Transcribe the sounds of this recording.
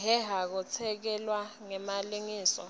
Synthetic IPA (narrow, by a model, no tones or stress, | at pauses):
ɦɛɦak̬ɔt͡sʰɛk̬ɛlwaŋɛmaliŋiːsɔ̰